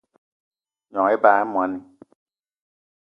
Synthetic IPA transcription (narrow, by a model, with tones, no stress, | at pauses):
ɲɔ̃ː˨˦e˦baː˨ɛ˦mũ˨a˨˦ni˨